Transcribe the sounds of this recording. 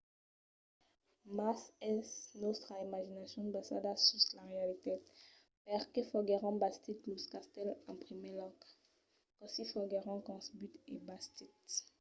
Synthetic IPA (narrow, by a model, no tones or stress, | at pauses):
masɛsnost̪χaimaʒinasjɔ̃d̪basa̰d̪asyslaʁealit̪e | pɛʁkefɔɡeʁɑ̃bast̪it̪luskast̪ɛlɛ̃pχimelɔk | kɔsifɔɡeʁɑ̃kɑ̃sbyt̪ḛbast̪it̪